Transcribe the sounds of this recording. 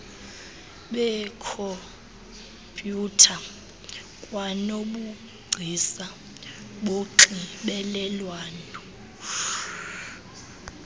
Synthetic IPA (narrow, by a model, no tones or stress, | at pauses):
ɓɛkʰɔ | pʼjutʰa | kʼwanoɓu | ɡ͡ǀʱisa | ɓoǀiɓɛlɛlwaːnɔ